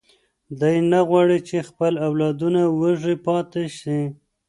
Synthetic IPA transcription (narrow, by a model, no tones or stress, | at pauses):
d̪ajnaɣwɑɽit͡ʃexpəlawlɑd̪unawəʐipɑt̪eʃi